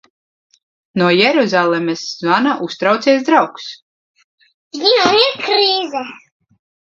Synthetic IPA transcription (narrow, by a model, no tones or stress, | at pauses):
nuɔjɛɾuzalˠɛmɛszɔnaʔust̪ɾawt̪siɛs̬d̪ɾawks | jinaikɾiːzɛ